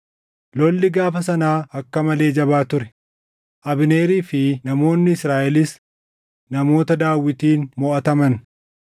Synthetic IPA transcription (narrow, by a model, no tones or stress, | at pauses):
lɔlːɪɡaːfɐsɐnaːɐkːɐmɐle̞ːd͡ʒɐbaːt̪ʊɾɛ | ʔɐbɪne̞ːɾiːfɪnɐmo̞ːnːɪɪsɾaːʔɛlɪs | nɐmo̞ːt̪ɐd̪aːwːɪt̪iːnmɔʔɐt̪ɐmɐn